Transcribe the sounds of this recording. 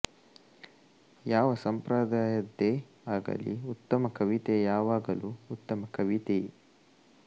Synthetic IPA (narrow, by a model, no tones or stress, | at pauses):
jaːʋɐsɐmpɾaːd̪aːjɐd̪ːe | aːɡɐ̰liut̪ːɐmɐkɐʋit̪ejaːʋaːɡɐluut̪ːɐmɐkɐʋit̪e